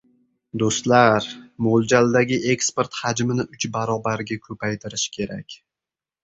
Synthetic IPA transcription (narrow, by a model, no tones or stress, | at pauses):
d̪ost̪laɾmold͡ʒald̪aɡʲɪʔe̞kspe̞ɾt̪had͡ʒmɪnɪʊt͡ʃbaɾɒbaɾɡʲakʰɵpʰajt̪ʰɪɾɪʃkʲʰe̞ɾa̰kʲ